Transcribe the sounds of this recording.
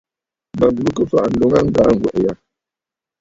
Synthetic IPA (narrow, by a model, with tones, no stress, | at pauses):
ma˨bu˨u˦kə˦fa˦ʔn̩˨do˨ŋa˦ŋ̩˨ɡaː˨˦ŋ̩˨ɡwɛ̰˨ʔja˨